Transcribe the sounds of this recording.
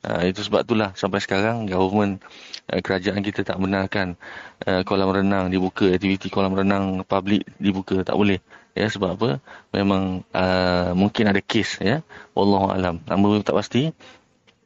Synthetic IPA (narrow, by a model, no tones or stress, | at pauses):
ʔə̰it̪usəba̰p̚t̪ulahsampajsə̥kaɾaŋɡavəmə̃nʔə̰kəɾad͡ʒaʔankit̪ət̪aʔbənarkanʔəkolaməɾənãŋdibukəɛk̚t̪ivit̪ikolaməɾənaŋpablɪk̚dibukət̪a̰ʔbolɛhjəsəbaapəmẽmãŋəmũŋkɪnadakesjəwʔɑ̰lːɔɦua̰lamna̰bət̪aʔpast̪i